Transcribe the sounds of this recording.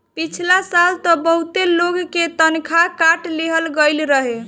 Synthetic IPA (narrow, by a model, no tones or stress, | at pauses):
pit͡ʃʰilasalt̪əbəɦut̪eloɡket̪ənkʰakaʈleɦəlɡəjlɾəɦe